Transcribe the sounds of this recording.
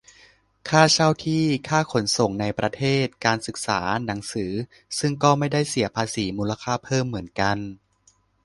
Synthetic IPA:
kʰaː˥˩t͡ɕʰa˥˩wt̪ʰiː˥˩kʰaː˥˩kʰo˩˦nso˨˩ŋna˧jpɾa˧t̪ʰeː˥˩t̪̚kaː˧nsɯ˨˩k̚sa̰ː˩˦na˩˦ŋsɯː˩˦ | sɯ˥˩ŋkɔː˥˩ma˥˩jda˥˩jsi˩˦ɐpʰaː˧siː˩˦muː˧la˧kʰaː˥˩pʰɤː˥˩mːɯ˩˦ənka˧n

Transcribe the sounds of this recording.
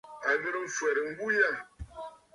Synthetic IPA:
a˨mi˦ɾə˦ɱ̩˦˨fwɛ˨ɾm̩˦bu˦ja˦˨

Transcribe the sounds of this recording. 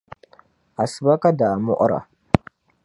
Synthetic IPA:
a˨sə˨ba˦ka˦da˨a˨mṵ˦ʔɾa̰˨

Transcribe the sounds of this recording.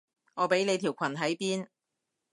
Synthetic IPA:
ŋɔː˨˧pe˨˥jne˨˧jt̪ʰiː˨˩wkʷʰɐ˨˩nɦɐ˨˥jpiː˥n

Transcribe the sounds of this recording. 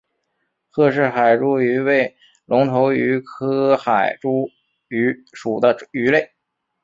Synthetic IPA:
xɤ˥˧ʂ̬ɻ̩˥˩xa˨˩ɪʈ͡ʂu˥y˧˥we˥˩ɪ | lʊ˧˥ŋt̪ʰo˧˥ʊy˧˥kʰɤ˥xa˨˩ɪʈ͡ʂu˥ | y˧˥ʂu˨˩d̪ə˦y˧˥le˥˩ɪ

